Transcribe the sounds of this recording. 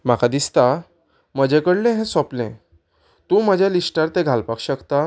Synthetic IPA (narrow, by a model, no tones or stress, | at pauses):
makad̪ist̪a | məd͡ʑẽkəɽlẽɦẽsɔplḛ̃ | t̪ũməd͡ʑʱjalisʈaɾt̪ẽɡʱalpakɕəkt̪a